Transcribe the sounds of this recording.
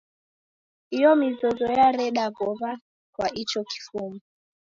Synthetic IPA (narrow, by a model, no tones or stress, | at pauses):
ijɔmizɔzɔjaɾɛɗaɡɔva | kwait͡ʃɔki̥fumu